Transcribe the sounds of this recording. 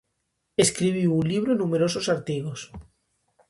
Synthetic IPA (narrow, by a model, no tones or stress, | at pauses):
eskɾiβ̞iunliβ̞ɾonũmeɾososaɾt̪iɣos